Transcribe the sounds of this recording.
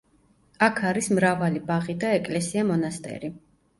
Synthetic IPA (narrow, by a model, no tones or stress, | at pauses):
akʰaɾismɾavalibaʁid̪aɛkʼlɛsiamɔnast̪ʼɛ̰ɾi